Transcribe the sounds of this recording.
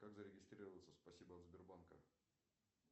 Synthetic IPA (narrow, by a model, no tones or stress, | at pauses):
kakzəɾʲɪɡʲɪst̪ɾʲiɾəvət̪səspɐsʲibəɐt̪zbʲɪrbankə̰